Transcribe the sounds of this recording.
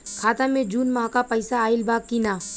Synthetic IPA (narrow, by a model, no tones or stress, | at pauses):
kʰaːt̪ãmẽd͡ʒuːnmaɦakapɐɪsaːɪlbaːɡ̚kinaː